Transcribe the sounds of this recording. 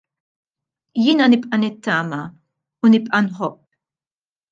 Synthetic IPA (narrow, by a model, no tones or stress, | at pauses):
jɪːnɐnɪpʼʔɐnɪt̪ːɐːmɐ | unɪpʼʔɐnħɔpː